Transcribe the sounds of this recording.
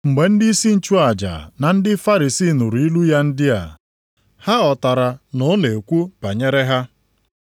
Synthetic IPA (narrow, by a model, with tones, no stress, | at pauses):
ŋ͡m̩˨ɡ͡be˨n̩˦di˦i˦si˦n̩˦t͡ʃu˦a˨d͡ʒa̰˨na˨n̩˦dɪ˦fa˦ɾi˨siː˦˨nu˨ɾi˦lu˦ja˦n̩˦dɪ˦a̰˨ | ha˦ɔ˨ta˨ɾa˨nʊ˨˦ne˨kʷu˦b̥a˨ɲe˦ɾe˦ɦa˦